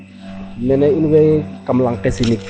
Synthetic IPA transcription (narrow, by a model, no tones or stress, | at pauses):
mɛnɛinwɛkamlaŋkɛsinik